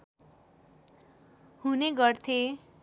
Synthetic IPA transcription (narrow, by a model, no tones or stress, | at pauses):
huneɡʌrt̪ʰe